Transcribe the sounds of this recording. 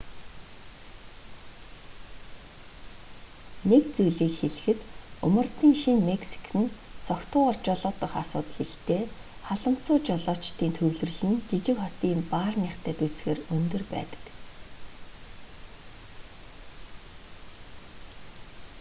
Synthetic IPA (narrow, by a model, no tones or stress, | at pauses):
nekt͡sujɮiːkxeɮɘ̆xɘ̆t̪ɵmə̆rt̪iːŋʃinmeksi̥kʰɘ̆n | sɔkt̪ʰʊːɔrt͡ɕɔɮʊːt̪ə̆χasʊ̰ːt̪ə̆ɮiɬt̪eː | χaɮə̆m̥t͡sʊːt͡ɕɔɮɔːt͡ɕt̪iːnt̪ʰɵwɮɵ̆rɮɘ̆nɡit͡ɕɪ̆kχɔt̪iːmpaːrniːχt̪ʰæːt̪ut͡sɡeːrɵnt̪ɵ̆rpæ̰ːt̪ə̥̆k